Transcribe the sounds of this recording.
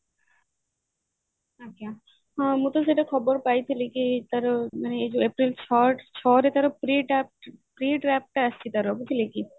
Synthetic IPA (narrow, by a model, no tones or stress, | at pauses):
aka | ãmut̪aseʈakʰɔboɾpajt̪ʰilekit̪aɾomaneed͡ʑoepɾilt͡ɕʰɔt͡ɕʰɔɾet̪aɾopɾiʈɛp̚ʈpɾiʈɾɛp̚ʈaaʃt͡ɕʰit̪aɾɔbut̪ʰileki